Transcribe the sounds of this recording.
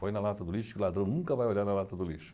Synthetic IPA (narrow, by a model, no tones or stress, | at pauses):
fojnɐlat̪ɐd̪ʊliʃʊkɪʊlad̪ɾɐ̃w̃nũŋkɐvajoʎaɾnɐlat̪ɐd̪ʊliʃʊ̥